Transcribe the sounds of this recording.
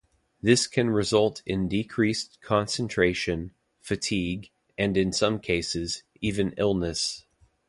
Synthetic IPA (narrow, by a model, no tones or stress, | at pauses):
ðɪskʰɨ̃nɹɨzʌlˠtʰɪ̃ndɨkʰɹ̥iskʰɑ̃nsɨ̃n̩tʰɹ̥eɪʃɨ̃n | fɨtʰiɡ | ɨ̃nɨ̃nsʌ̃mkʰeɪsɨz | ivɨ̃nɪlˠnɨs